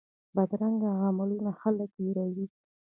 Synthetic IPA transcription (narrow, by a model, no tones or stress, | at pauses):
bad̪ɾaŋɡaʕamɪlunaxaləkjiɾawi